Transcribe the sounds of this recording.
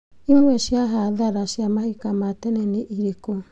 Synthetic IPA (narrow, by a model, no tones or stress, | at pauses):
iamesiaɦadaɾasiamahikamateneniʔiɾeko